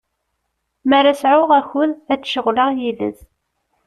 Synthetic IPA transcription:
mæɾasʕʊʁæçʊðæt͡sːʃəʁləʁjilə̰z

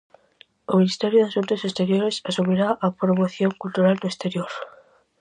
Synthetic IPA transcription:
ominist̪ɛɾjoðeaʃunt̪osest̪eɾjoɾesasumiɾaʔapɾomoθjoŋkult̪uɾald̪oest̪eɾjoɾ

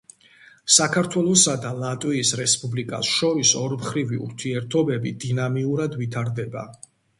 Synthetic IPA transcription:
sakʰaɾt̪ʰwɛlˠɔsad̪alˠat̪ʼwiːsɾɛspʼublikʼa̰sʃɔɾisɔɾmχɾiviṵɾt̪ʰiɛɾt̪ʰɔbɛbid̪inamiuɾad̪vit̪ʰaɾd̪ɛba̰

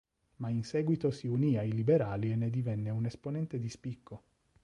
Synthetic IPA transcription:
mainsɛːɡwit̪osiuniːailibeɾaːlienːed̪ivɛnːeunesponɛnt̪ed̪ispikːo

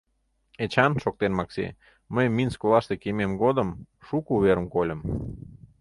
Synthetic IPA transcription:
et͡ɕɑnʃok̚t̪enmɑksḛ | məjminskolˠɑʃt̪ekememɡod̪əm | ʃukuβeɾəmkolʲə̆m

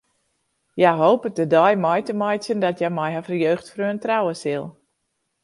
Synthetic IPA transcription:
jajɦoːpət̚dədɔjmɔjtəmɔjsjəndɔtjɛmɛjɦafərjøːxtfrøəntrawəsilˠ

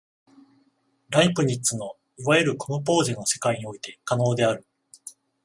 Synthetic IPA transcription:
ɾaipɯ̟ɲ̟itːt͡sɨno̞ | iβaeɾɯ̟konop̬o̞ːʑĩnːo̞se̞̥kaiɲ̟io̞it̪e̞kano̞ːd̪e̞aɾɯ̟

